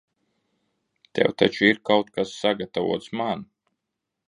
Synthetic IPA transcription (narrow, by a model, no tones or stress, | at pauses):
t̪ɛ̰wt̪at͡ʃuiɾkawt̪kasːaɡat̪avṵɔt̪sman